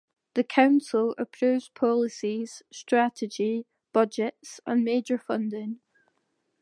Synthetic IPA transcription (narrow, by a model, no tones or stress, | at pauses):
ðəkʰãʊ̃nsəlˠə̰pʰɹ̥ʉːvz̥pʰɔlˠɪsiz̥stɹ̥aʔɪd͡ʒi | b̥ʌd͡ʒɪtsə̰̃nmeːd͡ʒə˞fʌ̃ndɪ̃ŋ